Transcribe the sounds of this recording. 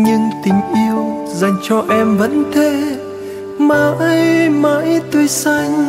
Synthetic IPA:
ɲɨ˧ŋt̪ï˨˦ŋ̟ʔi˧əw | za˨˩jŋ̟t͡ɕɔ˧ʔɛ˧mvə̰˧˥nt̪ʰe˧˩ | maː˨˩ʔjmaː˧˥jt̪wə˧sa˧jŋ̟

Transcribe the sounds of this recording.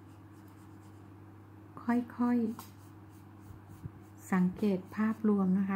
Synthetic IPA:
kʰɔ˥˩jkʰɔ˥˩j | sa˩˦ŋkeː˨˩t̪̚pʰaː˥˩p̚lu˧əmna˧˩kʰa˦˥

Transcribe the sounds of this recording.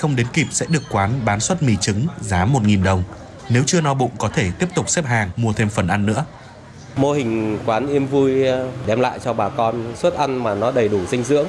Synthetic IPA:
xə˧wŋ͡mɗe˨˦nki˨˩p̚sɛ̰˧˥ɗɨ˨˩əkkːwaː˨˦nɓaː˨˦nswə˦˥t̚mi˨˩t͡ɕɨ˨˦ŋzaː˨˦mo˨˩t̚ŋi˨˩nɗə˨˩wŋ͡m | ne˨˦wt͡ɕɨ˧ənɔ˧ɓṵ˧˨ŋ͡mkɔ˨˦t̪ʰe˧˩t̪i˦˥əp̚t̪ʊ˨˩k͡p̚sɛ˦˥p̚ɦaː˨˩ŋmu˧ət̪ʰe˧mfə˨˩nʔa˧nːɨ̰˧˥ə | mo˧hï˨˩ŋ̟kwaː˨˦nʔi˧əmvu˧jɗɛ˧mla̰ː˧˨jt͡ɕɔ˧ɓaː˨˩kɔ˧nswə˦˥t̚ʔa˧nmaː˨˩nɔ˨˦ɗə˨˩jɗu˧˩sï˧ŋ̟zɨ̰˧˥əŋ

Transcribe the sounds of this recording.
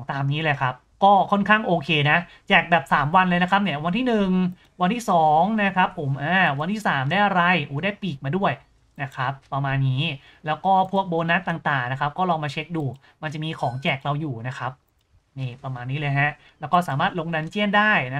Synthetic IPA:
ŋt̪aː˧mniː˦˥lɤː˧jkʰa˦˥p̚kɔː˥˩kʰɔ˥˩nkʰaː˥˩ŋʔoː˧kʰeː˧na˦˥ʔ | t͡ɕɛː˨˩k̚bɛː˨˩p̚saː˩˦mwa˧nlɤː˧jna˦˥kʰa˦˥p̚ni˦˥˩ɐwa˧nt̪ʰiː˥˩nɯ˨˩ŋ | wa˧nt̪ʰiː˥˩sɔː˩˦ŋna˦˥kʰɾa˦˥pʰːo˩˦mʔaː˧˩wa˧nt̪ʰiː˥˩saː˩˦mda˥˩jʔa˧ɾa˧jʔuː˨˩˦daː˥˩jpiː˨˩k̚maː˧du˥˩əj | na˦˥kʰɾa˦˥pːɾa˧maː˧nːiː˦˥ | lɛː˦˥wkɔː˥˩pʰu˥˩ək̚boː˧na˦˥t̪ːaː˨˩ŋt̪aː˨˩ŋna˦˥kʰa˦˥p̚kɔː˥˩lɔː˧ŋmaː˧t͡ɕʰe˦˥k̚duː˧ | ma˧nt͡ɕa˨˩ʔmiː˧kʰɔː˩˦ŋt͡ɕɛː˨˩k̚ɾa˧wjuː˨˩na˦˥kʰa˦˥p̚ | niː˧˥˩pɾa˧maː˧nːiː˦˥lɤː˧jɦɛ˦˥ʔ | lɛː˦˥wkɔː˥˩saː˩˦maː˥˩t̪̚lo˧ŋda˧nt͡ɕi˥˩əndaː˥˩jna˦˥

